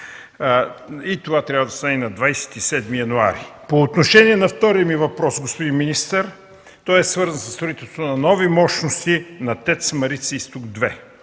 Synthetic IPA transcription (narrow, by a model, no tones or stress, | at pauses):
it̪ovat̪ɾʲjavɐd̪ɐst̪anɛnɐd̪vajsɛ̥t̪isɛd̪mijɐnua̰ɾipoːt̪noʃɛniɛnɐft̪ɔɾijəmivɐpɾɔsɡospod̪inminist̪əɾ | t̪ɔjɛsvɤɾzənsəst̪ɾʊit̪ɛlˠst̪ot̪onɐnɔvimɔʃnost̪inɐt̪ɛt̪smɐɾit̪sist̪uɡd̪vɛ